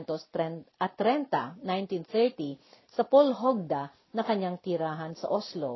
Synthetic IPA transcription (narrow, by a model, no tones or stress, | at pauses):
nt̪osɛʔɐt̪ɾɛnt̪a̰najnt̪inθɛɹt̪isɐpolɦoɡ̚d̪a | nɐkɐɲaŋt̪ɪɾaːɦɐnsɐ̰ʔoslo̰